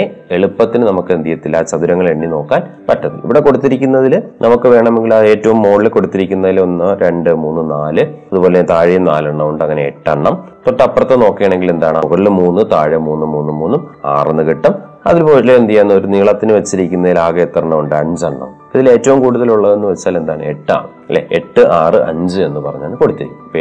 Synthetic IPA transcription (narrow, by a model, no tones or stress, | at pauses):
eeɭupːɐt̪ːinɨnɐmukːɨend̪ijɐt̪ːilːat͡ɕɐðuɾɐŋːɐɭeɳːino̞ːkːaːnpɐtːɐðḭlḭʋiɽe̞ko̞ɽut̪ːiɾikʲːunːɐðilnʔɐmukːɨʋe̞ːɳɐme̞ŋɡilɐe̞ːtːɐʋumːoːɭilɨko̞ɽut̪ːiɾikʲːunːɐðilonːɨɾe̞ɳɖɨmuːnːɨnaːlɨɐðupo̞ːle̞t̪aːɻijɐmnaːlɐɳːɐʋuɳɖɨɐŋːɐne̞ḛʈːɐɳːɐm | t̪o̞ʈːɐɐpːrɐt̪ːeno̞ːkːijɐɳe̞ŋɡile̞nd̪aːɳɨmuɣɐɭilmuːnːɨt̪aːɻɐmuːnːumuːnːɨmuːnːuma̰ːrenːɨkiʈːɐm | ɐ̰ðilpo̞ːleend̪ijanːɐo̞ɾuniɐɭɐt̪ːinɨʋɐt͡ɕːiɾikʲːunːɐðilaːɣɐt̪ːɐrɐɳːɐʋuɳɖɨɐɲd͡ʑɨɐɳːɐ̰m | iðile̞ːtːɐʋumkuːɽuðɐluɭːɐðenːɨʋet͡ɕːaːle̞nd̪aːɳɨeʈːa̰ɳ | ɐlːḛeʈːɨʔaːrɨʔɐ̰ɲd͡ʑɨe̞nːɨpɐrɐɲːaːɳɨko̞ɽut̪ːiɾikʲːpe